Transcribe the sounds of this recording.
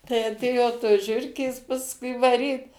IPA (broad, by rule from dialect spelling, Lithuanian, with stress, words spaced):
tɐɪ ɐˈtʲeːjoː toːs ˈʒʲʊrʲkʲeːs pɐsˈkʊɪ ʋɐˈrʲiːt